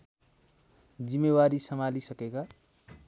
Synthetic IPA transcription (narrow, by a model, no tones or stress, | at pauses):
d͡zimːewaɾisəmalisʌkeka